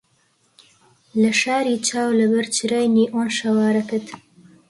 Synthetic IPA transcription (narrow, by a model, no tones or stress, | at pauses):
ləʃɑːɾit͡ʃɑːwləbəɾt͡ʃiɾajniʔonʃawɑːɾakət̪